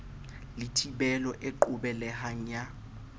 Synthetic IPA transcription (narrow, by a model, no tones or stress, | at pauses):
litʰibɛlɔʔeǃʊbɛlɛhaŋ̩a